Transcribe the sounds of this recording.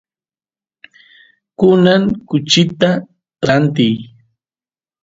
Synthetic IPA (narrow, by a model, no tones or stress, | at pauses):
kʊnaŋkʊt͡ʃɪt̪a | ɾant̪ɪj